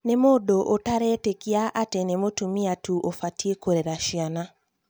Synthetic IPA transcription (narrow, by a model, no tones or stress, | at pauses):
nemodoʔotaɾɛtekiaʔatɛnemotumiatuʔofatiekoɾeɾaʃiana